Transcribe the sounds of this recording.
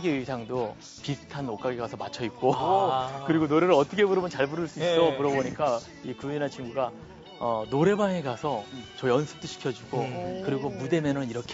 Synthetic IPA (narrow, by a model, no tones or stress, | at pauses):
ɡeisʰaŋdo | pisʰɯ̥tʰanok͈aɡeɡasʰʌmat͡ɕʰʌit̚k͈o | kɯɾiɡonoɾe̞ɾɯɭʌt͈ʌkʰebuɾʌmɯnt͡ɕaɭbuɾɯɭs͈uisomuɾʌboɲik͈a | ikuinat͡ɕʰiŋɡuɡa | ʌnoɾe̞baŋeɡasʰʌt͡ɕʌjʌnsʰɯ̥t͈oɕʰi̥kʰjʌd͡ʑuɡokɯɾiɡomude̞mjʌnɯniɾʌkʰ